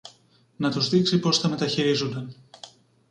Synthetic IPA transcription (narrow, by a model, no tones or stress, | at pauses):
nɐt̪uzðiksipo̞sθɐme̞t̪ɐçiɾizund̪ɐn